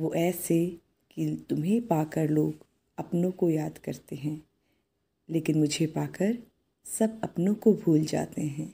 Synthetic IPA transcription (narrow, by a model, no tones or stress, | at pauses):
ʋoːʔɛːse | kit̪ʊmɦẽpaːkəɾloːɡ | ɐpnõkojaːd̪kɐɾt̪eɦɛ̃ː | leːkɪnmʊd͡ʒʱepaːkəɾ | sɐbɐpnõkobʱuːld͡ʒa̰ːt̪eɦɛ̃ː